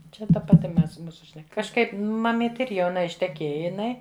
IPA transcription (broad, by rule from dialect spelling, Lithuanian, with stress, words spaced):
t͡ʃʲɛ tɐ pɐˈtʲɪ ˈmʲɛs ˈmuːsʊ ʃʲnʲɛˈkɐ kɐʃˈkɐɪp mɐˈmʲiːtʲɪ ɪr jɛʊˈnɐ ɪʃʲtʲɛˈkʲeːjɛ jɪˈnɐɪ